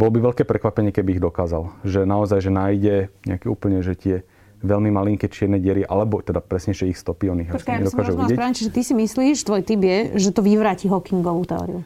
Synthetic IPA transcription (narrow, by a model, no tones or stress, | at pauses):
bɔlɔbiʋɛʎkɛːpɾɛkʋapɛɲɪɛkɛbiːɣd̪ɔkaːzalʒɛnaɔzajʒɛnaːjɟɛɲɛ̰akɛṵːpl̩ɲɛʒɛt̪ɪɛ | ʋɛlmimaliŋkɛt͡ʃɪɛɾnɛɟɛɾiʔa̰lɛbɔt̪ɛd̪apɾɛsɲɛʒɛixst̪ɔpiɔniaɔkjaɲɛd̪ɔsɔkauiɪɛpɾaɲɛt͡ʃiʒɛt̪isimisliːʃt̪ʋɔjt̪ibjɛʒɛt̪ɔʋiʋɾaːciɦɔkiŋɡɔʋuːt̪ɛɔ̰ːɾḭu